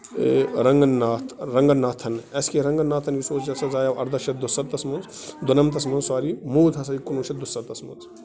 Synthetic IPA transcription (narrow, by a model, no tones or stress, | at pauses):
ɾɐŋɡɐnaːt̪ʰɾɐŋɡɐnːaːt̪ʰɐnɐskeɾɐŋɡɐnːaːt̪ʰɐnʋisoːt͡ʃt͡ʃɐsɐzaːjɐʋʔɐ̰ɾd̪ɐʃɐt̪̚d̪usɐɾt̪ɐsmunzd̪unɐmt̪̬ɐsmɐnzsaːɾimuːd̪ʱɦɐsɐjikunuːʃɐt̪̚d̪usɐɾt̪ɐsmɐ̰nz